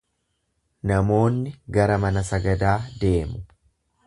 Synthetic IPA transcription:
nɐmo̞ːnːɪɡɐɾɐmɐnɐsɐɡɐd̪aːd̪e̞ːmʊ

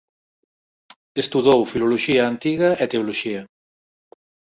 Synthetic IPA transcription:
est̪uðowfiloloʃiɐant̪iɣɐʔet̪eoloʃiɐ

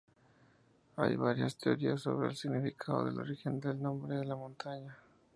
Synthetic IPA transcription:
a̰jβaɾjast̪e̞o̞ɾiasːo̞̰βɾe̞ːlsiɣnifikʰaðo̞̰ðelo̞̰ɾixe̞nd̪e̞lnõ̞mbɾe̞ðe̞lamõ̞nt̪aɲa

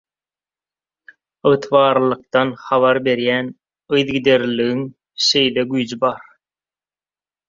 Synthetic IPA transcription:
ɯɣt̪ʰβɑːɾlˠɯq̚t̪ɑnχɑβɑɾbe̞ɾjæːn | ɯjðɡid̪e̞ɾlːiɣiŋ | ʃe̞jleɡyjd͡ʒibɑɾ

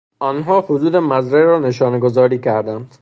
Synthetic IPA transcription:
ɒːnɦɒːhod̪uːd̪emæzɾeɾɒːneʃɒːneɡozɒːɾiːcʰæɾd̪ænd̪̥

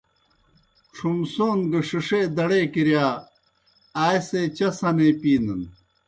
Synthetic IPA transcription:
ʈ͡ʂʰumsoːnɡɐʂiʂed̪ɐɽeːkiɾjaː | aːjseːt͡ɕɐsɐnepiːnɐn

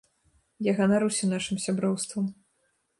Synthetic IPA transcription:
jaɣɐnaɾɨwsʲɐnaʂɨmsʲabɾɔwst̪vɐm

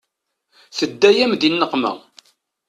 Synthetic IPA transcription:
θəd̪ːæjæmd̪inːəqːmə̰ʁ

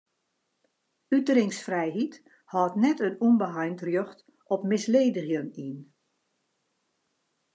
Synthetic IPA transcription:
ytəɾɪŋsfrɛjɦit | hɔːtnɛtənunbəɦajntrjøxt | ʔɔpmɪsleːdəɣjənin

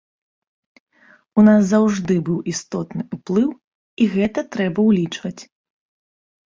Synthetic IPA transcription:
unas̬zɐwʐd̪ɨbɨwʔist̪ɔt̪nɨuplˠɨw | iɣɛt̪ɐt̪ɾɛbɐwlʲit͡ʂvɐt͡sʲ

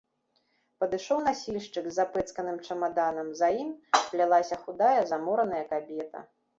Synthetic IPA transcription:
pɐd̪ɨʂɔwn̪asʲilʲʂt͡ʂɨɡzʲːapɛt̪skɐnɨmt͡ʂɐmad̪anɐmzajimplʲalˠasʲɐxud̪ajɐzamɔɾɐnɐjɐkabʲɛt̪ɐ̰

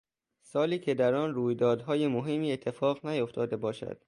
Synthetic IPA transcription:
sɒːliːcʰed̪æɾɒːnruːjd̪ɒːd̪ɦɒːjemoɦemːiːe̞t̪ʰːe̞fɒːɣnæjoft̪ʰɒːd̪e̞bɒːʃæ̰d̪̥

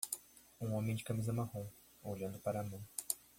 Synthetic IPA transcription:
ũõmẽj̃d͡ʒɪkamizɐmaɦõ | oʎɐ̃nd̪ʊpaɾɐːmɐ̃w̃

